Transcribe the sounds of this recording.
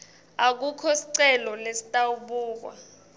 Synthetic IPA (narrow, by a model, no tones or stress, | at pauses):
ak̬ukʰɔsi̥ǀɛlɔlesi̥tʼawuɓuːk̬wa̰